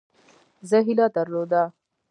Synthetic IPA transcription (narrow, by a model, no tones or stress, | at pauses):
zəɦilat̪əɾlod̪a